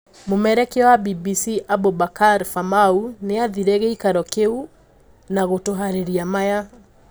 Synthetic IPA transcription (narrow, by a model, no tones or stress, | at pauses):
momɛɾɛkewabibisiʔabobakaɾfamauneaðiɾeɣeikaɾɔkeu | naɣotoɦaɾiɾiamaja